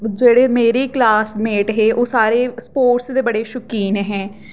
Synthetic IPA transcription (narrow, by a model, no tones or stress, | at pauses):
d͡ʒeːɽeːmeːɾiːklaːsmeːʈɦeːʔoːsaːɾeːspoːʈsd̪eːbəɽeːʃʊkiːnɦɛ̃ː